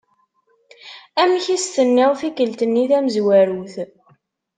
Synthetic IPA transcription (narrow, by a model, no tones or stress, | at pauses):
æmçist̪ənːɪʁθikəlt̪ənːiθæməzwæɾuθ